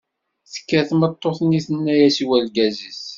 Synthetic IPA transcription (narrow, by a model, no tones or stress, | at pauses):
θə̥kːæθmət̪ˤːoθniθənːæjæsiwælɡæzis